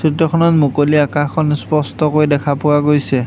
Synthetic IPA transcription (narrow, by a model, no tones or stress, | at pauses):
sitːɔkʰɔnɔtmukoliakakʰɔnspɔstɔkojdɛkʰapʊwaɡojsɛ